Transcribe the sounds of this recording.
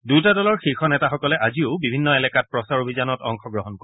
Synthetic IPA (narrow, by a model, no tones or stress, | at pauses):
dutadɔlɔɹxixɔnɛtaxɔkɔlɛʔaziʊbibʱinːɔelɛkat̚pɹɔsaɹobʱizanɔtɔŋxɔɡɹɔɦɔnkɔɛ